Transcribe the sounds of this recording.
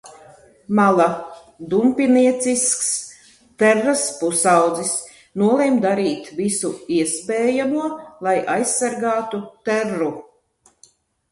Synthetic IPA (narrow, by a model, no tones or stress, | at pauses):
malˠa | d̪umpiniɛt̪sisks | t̪æɾːaspusawd̪zis | nuɔlˠemd̪aɾiːt̪visuiɛspɛːjamuɔlˠajʔajsːaɾɡaːt̪ut̪æɾːu